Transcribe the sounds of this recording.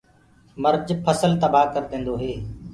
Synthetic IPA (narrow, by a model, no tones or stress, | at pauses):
məɾd͡ʒpʰəsəlt̪əbaːkəɾt̪ẽːn̆d̪oːɦeː